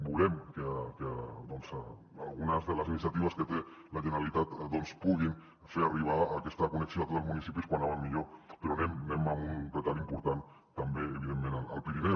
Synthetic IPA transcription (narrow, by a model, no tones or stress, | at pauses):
bulɛmkeked̪onz | alˠɣunazðələzinis̬jat̪iβ̞askət̪elaʒeneɾalit̪at̪d̪onspuɣ̞in | feɾariβ̞aːkɛst̪akuneksioat̪ot̪əlˠzmunisipiskwanaβanmiʎopeɾonemnemamunret̪alimpuɾt̪an | t̪ambeːβiðemːẽnaalˠpiɾinɛw